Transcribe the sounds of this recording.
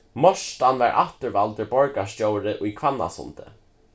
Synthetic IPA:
mɔʂt̪anʋa̰ɹʔa̰ht̪əɹʋalt̪əɹbɔɹkastjowɾɪʔʊjkʰvanːa̰sʊ̰nt̪ə̰

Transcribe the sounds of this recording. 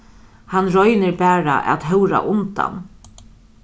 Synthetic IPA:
hanɾɔjnɪɾbæːɾa̰ʔɛ̰t̪ɦœwɾa̰ʔʊnt̪a̰n

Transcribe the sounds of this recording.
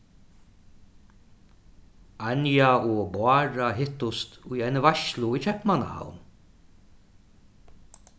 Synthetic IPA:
anjaɔbwaːɾaɦɪht̪ʊst̪ʊjajnvaʃlʊit͡ʃʰɛpmana̰ha̰wn

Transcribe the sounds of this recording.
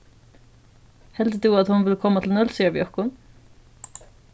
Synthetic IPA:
hɛld̪d̪ʉːat̪hʊnvɪləkʰɔmːat̪ʰɪlnœlsʏəbjɔkʊn

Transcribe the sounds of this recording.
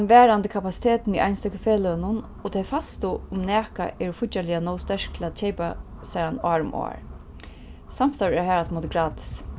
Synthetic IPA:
nʋɛːɾand̪əkʰapasi̥t̪ʰeːt̪nḭʔa̰jnst̪œkɪfeːlənʊn | ɔt̪ʰɛjfast̪ʊʊmnɛːka̰ʔɛɹfʊalɪjanowst̪ɛɹ̥k̚t̪ʰɪlat͡ʃʰɛjpasɛɾana̰ːɹʊ̰mo̰ːɹ | sam̥st̪awɹɛɹɦɛːɾat̪mot̪ɪɡɾaːt̪ʰɪ̥s

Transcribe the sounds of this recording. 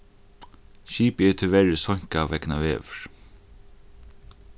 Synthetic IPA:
ʃiːpɛɹt̪ʰɪlvɛɾɪsɔɲ̥kavɛkna̰vɛːvʏɹ̥

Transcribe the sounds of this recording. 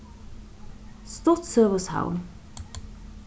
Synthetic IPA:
st̪ɔt̪søːʋəsha̰ʊn

